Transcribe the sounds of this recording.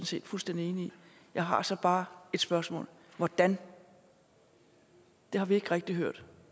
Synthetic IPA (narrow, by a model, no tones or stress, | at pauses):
n̩se̝̰ːd̥fulsd̥en̰d̥ie̝ːnii | jɑ̈ɪɦɑ̈sɒ̽b̥ɑ̈ːe̝d̥sb̥ɶɐsmɔ̰̽ːl | ʋɒd̥æn | d̥e̝hɑ̈ʋie̝ɡ̥ʁɛɡ̥̚d̥iɦøɐ̰d̥